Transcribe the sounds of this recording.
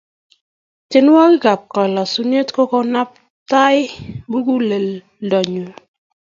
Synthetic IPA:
te˦n˦wa˦kɡa˨p̚kɔ˨la˨su˦ne˦tkɔ˦kɔ˦na˦p̚ | ta˦ɪ˦bu˦ɡu˦le˨l | dɔ˨ɲo˨

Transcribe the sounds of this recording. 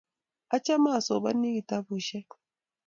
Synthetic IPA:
a˦t͡ʃa˦ma˦˨so̰˨ɓa˦nːi˦ki˨ta˦bu˨ʃɛ˦k

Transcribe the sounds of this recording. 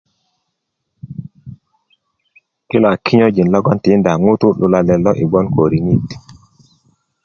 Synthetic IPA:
ki˦la˨kʰi˦ɲo˦d͡ʒi˨nlɔ˦ɡɔ˦nti˨˦nda˨ŋu˦tu˦lu˨la˨lɛ˨lɔ˦ʔi˨ɡ͡bɔ˦nko˨ɾi˨ni˦t

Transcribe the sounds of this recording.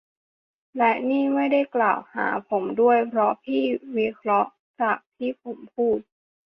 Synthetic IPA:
lɛ˦˥ʔniː˥˩ma˥˩jda˥˩jklaː˨˩wha̰ː˩˦pʰo˩˦mdu˥˩əjpʰɾɔ˦˥pʰiː˥˩wi˦˥kʰɾɔ˦˥ʔ | t͡ɕaː˨˩k̚t̪ʰiː˥˩pʰo˩˦mpʰuː˥˩t̪̚

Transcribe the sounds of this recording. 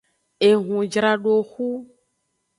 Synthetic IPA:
e˨ɦũ˨d͡ʒɾa˨ɖo˨xu˦

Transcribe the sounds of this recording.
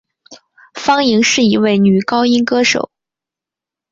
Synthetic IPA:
fɑ˥ŋi˧˥ŋʂɻ̩˥˩i˧˥we˥˩ɪny˨˩kɑ˥ʊi˥ŋkɤ˥ʂo̰˨˩˦ʊ

